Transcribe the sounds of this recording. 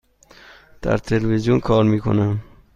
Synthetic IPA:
t̪a̰ɾt̪ʰelwizjunkʰɔɾmikʰṵna

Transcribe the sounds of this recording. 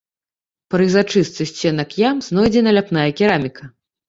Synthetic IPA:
pɾɨjzat͡ʂɨst̪sɨsʲt͡sʲɛnɐkjamznɔjd͡zʲɛnɐlʲapn̪ajɐkʲiɾamʲikʰɐ

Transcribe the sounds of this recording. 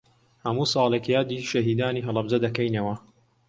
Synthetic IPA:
hɐmuːsˤɑːlˠekjaːd̪iːʃɐɦiːd̪aːniːɦɨlˠɐbzɐd̪ɐkɐjnɐwɐ

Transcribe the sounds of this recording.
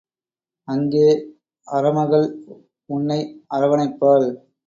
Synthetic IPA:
ɐŋɡeː | ɐɾɐmɐɣɐɭ | ʊnːɐɪɐɾɐʋɐnɐɪpːaːɭ

